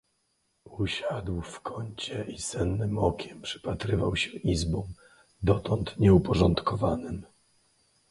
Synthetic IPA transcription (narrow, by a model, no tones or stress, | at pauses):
uɕad̪wfkʰɔɲt͡ɕɛʔisɛnːɘmɔkʲɛmpʂɘ̥pat̪ɾɘvawɕɛʔizbɔ̃w | d̪ɔt̪ɔnt̪ɲɛupɔʐɔnt̪kɔvanɘm